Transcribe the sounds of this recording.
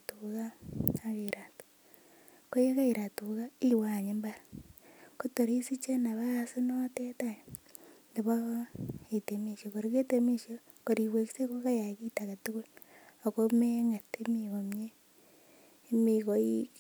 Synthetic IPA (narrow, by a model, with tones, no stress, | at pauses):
tuka˦akeɾatu̥ | ko˦je˦ka˦i˨ɾa˨tuka˦i˦wa˨ɲembaɾa | ko˦to˨ɾi˦si˦t͡ʃe˦na˨βasi˦note˦taj | ndi˨βa | ete˨mi˨ʃoko˨ɾike˦temi˦ʃjo˦ | koɾi˨we˨ki̥˦se˦ko˦ka˦ja˨ki˦taka˨ti˦ku˦loko˦meŋa˨te˦miɣo˨mɲe˦ | miko˨i